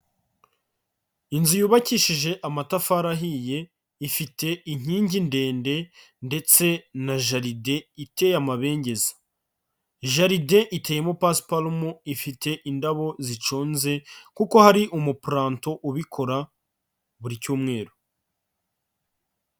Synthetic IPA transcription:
inzijuːβaciːʃiʒe̞ʔamatafaːɾaɦije̞ | ifite̞iɲ̥iːɲɟinde̞ːnde̞ | nde̞t͡se̞naʒaɾide̞ite̞jamaβe̞ːɲɟe̞zḁ | ʒaɾide̞ʔite̞ːjemopaspalmuifitʰe̞ʔindaβo̞zit͡ʃoːnze̞kuko̞haɾiʔumupɾaːntoʔuβikʰo̞ɾa | βuɾicuːmŋe̞ːɾo

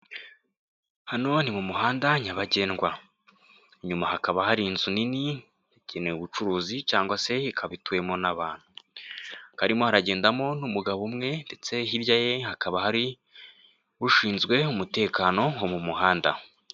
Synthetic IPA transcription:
hano̞nimumuɦaːndaɲaβaɟe̞ːnɡwa | ɲumaɦakaβahaɾinzunini | jaɟeneuβut͡ʃuɾuːzit͡ʃaːŋɡwase̞ikʰaβituwe̞mo̞naβaːn̥hu | kaɾimohaɾaɟe̞ːndamo̞numuɡaβumŋe̞nde̞t͡se̞ɦiɾjaje̞hakaβahaɾi | βuʃiːnzɡwe̞umute̞ːkano̞omumuɦaːnda

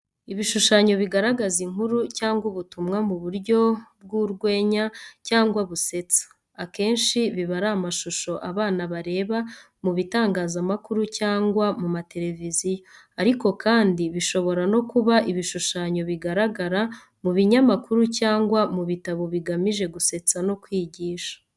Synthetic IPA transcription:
iβiʃuʃaɲo̞βiɡaɾaɡaziŋɦuɾucaːŋɡwuβutumŋamuβuɾɟo̞bɡuɾɡwe̞ːɲacaːŋɡwaβuse̞t͡sḁ | ake̞ːnʃiβiβaɾaːmaʃuʃo̞ʔaβaːnaβaɾe̞ːβa | muβitaːŋɡaːzamakuɾucaːŋɡwamumate̞ɾe̞vizijo | aɾiko̞kʰaːndiβiʃo̞βo̞ɾano̞kuβaʔiβiʃuʃaːɲo̞βiɡaɾaɡaɾa | muβiɲamakuɾucaːŋɡwamuβitaβo̞βiɡamiʒe̞ɡuse̞t͡sano̞kwiːɟiːʃḁ

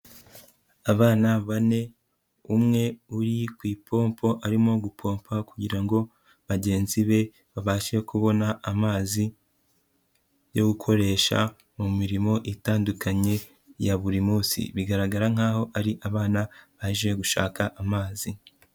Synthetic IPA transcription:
aβaːnaβane̞ | umŋe̞uɾikwiːpʰo̞ːmpo̞ʔaɾimo̞ɡupʰo̞ːmpʰakuɟiɾaŋɡo̞ | βaɟe̞ːnziβe̞ | βaβaːʃe̞kuβo̞naʔːmaːzi | jo̞ɡukʰo̞ɾe̞ːʃa̰ | mumiɾimo̞ʔitaːndukʰaɲe̞ | jaβuɾimuːsḭβiɡaɾaɡaɾaŋ̥aːho̞ʔaɾiʔaβaːnaβaiʒieɡuʃa̰ːkaʔamaːzi

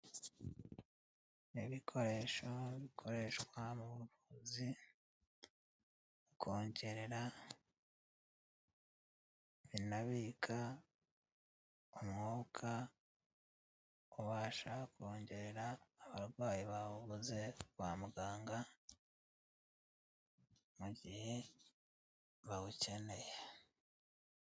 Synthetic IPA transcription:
eβikʰo̞ɾe̞ːʃo̞βikʰo̞ɾe̞ʃwamuβuβuzi | ukʰo̞ːɲɟe̞ɾeɾa | βinaβikʰa | omŋoːkʰa | oβaːʃakʰo̞ːɲɟe̞ɾeɾaːβaɾɡwaːjiβaβuβuze̞waːmuɡaːŋɡa | muɟihe̞ | βaɡuce̞ne̞je

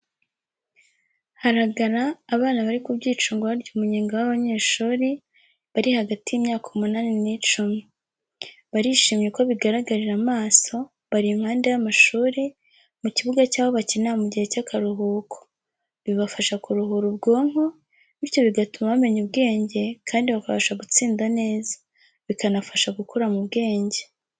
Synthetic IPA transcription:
haɾaɡaɾaːβaːnaβaɾikubɟiːt͡ʃuːŋɡoβaɾɟumuɲeːŋɡawaβaɲe̞ːʃuːɾi | βaɾihaɡatijimɲaːkaumunaːninit͡ʃumi | βaɾiʃiːmjeko̞βiɡaɾaɡaɾiɾamaːso̞ | βaɾimhaːnde̞jamaʃuːɾe | muciβuɡacaːβoβacinamuɟihe̞cakaɾuɦuːkʰo̥ | βiβafaʃakuɾuɦuɾub̚ɡo̞ːŋ̥ho̞ | iɾjo̞βiɡatumaβame̞ɲubɡe̞ːɲɟe̞kʰaːndiβakafaʃaɡut͡siːndane̞ːzḁ | βikanafaʃaɡukʰoɾamuβɡe̞ːɲɟe̞

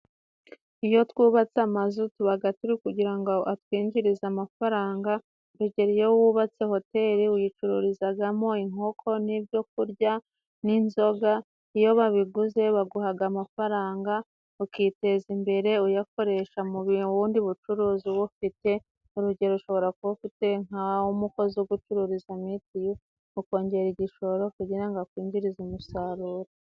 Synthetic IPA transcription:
ijo̞twuːβat͡samazutuβaɡatuɾikuɟiɾaŋɡo̞ʔatwiːɲd͡ʒiɾizamafaɾaːŋɡa | ɾuɟe̞ɾijowuːβat͡se̞ho̞te̞ɾiujit͡ʃuɾṵɾizaɡamo̞iŋ̥ho̞kʰo̞nibjo̞k̚uɾɟa | ninzo̞ɡa | ijo̞βaβiɡuze̞βaɡuhaɡamafaɾaːŋɡa | ukite̞zimbe̞ɾe̞ujako̞ɾe̞ʃamuβiβuːndiβut͡ʃuɾuːziβufite̞ | uɾuɟe̞ɾouʃo̞βo̞ɾakuβufite̞ŋaumuko̞zɡut͡ʃuɾuɾizamitijo | uko̞ːɲɟe̞ɾiɟiʃo̞ɾo̞kuɟiɾaŋɡakwiːɲɟiɾizumusaɾuːɾe

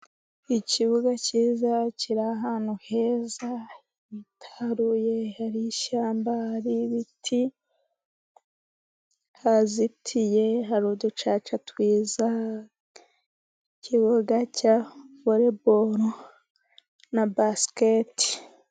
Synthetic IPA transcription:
iciβuɡaciːzaciɾaɦaːn̥huhe̞za | itʰḁɾujehaɾiʃaːmbahaɾiβitʰi | hazitʰije̞ɦaɾuːdut͡ʃaːt͡ʃatwiːza | ciβoɡacavoɾeboɾo | nabasketi̥

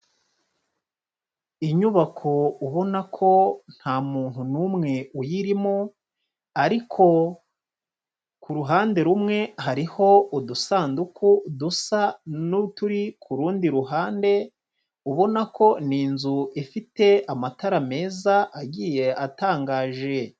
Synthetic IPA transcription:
iɲuβakʰouβo̞nakʰo̞n̥haːmuːn̥hunuːmŋe̞ujiɾimo | aɾikʰo̞ | kuɾuɦaːnde̞ɾumŋe̞haɾiho̞udusaːndukudusanutuɾikʰuɾuːndiɾuɦaːnde̞ | uβo̞nakʰo̞niːnzuʔifite̞amataɾame̞ːzaʔaɟiːje̞ataːŋɡaːʒe̞

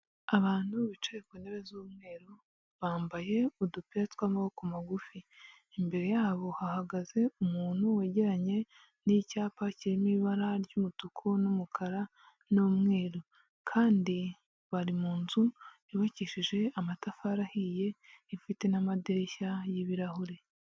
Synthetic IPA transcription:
aβaːnhuβit͡ʃeɾekwendeβezumŋe̞ːɾo | βaːmbaje̞udupiatwamawokumaɡufiː | mbe̞ɾe̞jaːβo̞hahaɡaze̞umuːn̥huweɟeɾaɲe̞ | nicaːpaciɾimiβaɾaɾɟumutukʰonumukʰaɾa | nomŋe̞ːɾo̞ | kʰaːndi | βaɾimuːnzu | iβaciʃiʒe̞amatafaɾahije̞ifite̞namadeɾçajiβiɾahoɾe̞

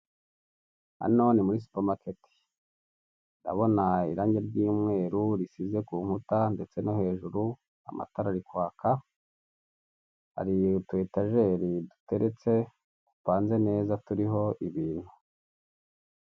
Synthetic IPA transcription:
ha̰no̞nimuɾis̬u̥pamaketi̥ | nda̰βo̞naiɾaːɲɟeɾɟiːmŋe̞ːɾuɾisize̞kuːŋhutande̞t͡se̞no̞he̞ːʒuɾu | a̰mʔa̰taɾaɾikwaːkʰa | ha̰ɾijtwe̞ːtaʒe̞ɾidu̥te̞ɾe̞t͡se̞ | kupaːnze̞ne̞ːzatuɾiɦo̞ʔiβiːn̥hu

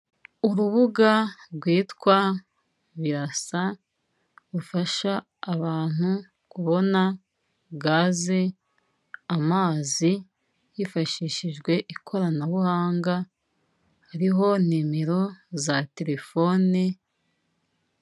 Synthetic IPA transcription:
uɾuβuɡaɾɡwiːtkwa | βiɾasa | ɾufaʃaː | βaːn̥hu | kuβo̞na | ɡaːze | amaːzi | jifaʃiːʃiʒɡwe̞ʔikʰo̞ɾanaβuhaːŋɡa | haɾiɦo̞n̥imeɾo̞zate̞ɾe̞fo̞ni

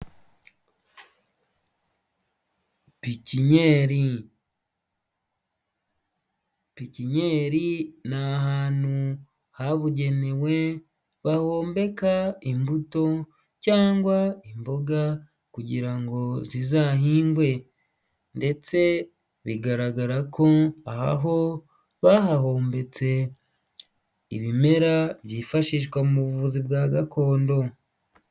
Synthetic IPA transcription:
piciɲeɾi | piciɲe̞ːɾinaɦaːnu | haβuɟe̞newe̞ | βaho̞ːmbe̞kaimbuto̞ | caːŋɡwaimbo̞ɡa | kuɟiɾaŋɡo̞zizahiːŋɡwe̞ | nde̞t͡se̞ | βiɡaɾaɡaɾakʰo̞aha̰ɦo̞ | βahaho̞ːmbe̞t͡se̞ | iβime̞ɾabjiːfaʃiːʃ̬ɡwamuβuvuzibɡaːɡako̞ːndo̞

